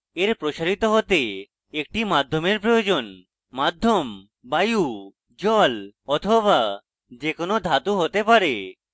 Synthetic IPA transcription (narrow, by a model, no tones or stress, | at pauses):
eɾpɾoʃaɾit̪oɦot̪e | ek̚ʈimad̪ʱːomeɾpɾojod͡ʑon | mad̪ʱːom | baju | d͡ʑɔlɔt̪ʰoβa | d͡ʑekonod̪ʱat̪uɦot̪epaɾe